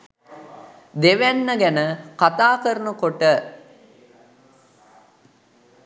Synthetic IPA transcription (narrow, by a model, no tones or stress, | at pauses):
d̪eʋænːəɡænəkat̪aːkəɾənukoʈə